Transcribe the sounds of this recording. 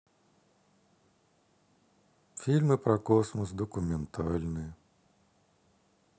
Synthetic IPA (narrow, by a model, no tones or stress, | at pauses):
fʲilʲmɨpɾɐkɔsmɔs̬d̪ɔkʊmʲɛnt̪ʰɑlʲnɪj